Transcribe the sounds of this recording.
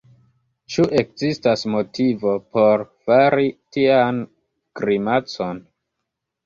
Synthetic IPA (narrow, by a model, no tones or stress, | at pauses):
t͡ʃuʔe̞k̚zistasmo̞tivo̞po̞ɾfaɾitian | kɾimat͡so̞n